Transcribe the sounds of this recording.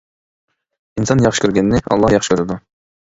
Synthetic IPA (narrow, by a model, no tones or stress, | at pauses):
insɑnjɑχʃɨ̥kʲyɾɡʲɛnːɪɑ̰lˠːɑjɑχʃkʲʰøɾɪd̪u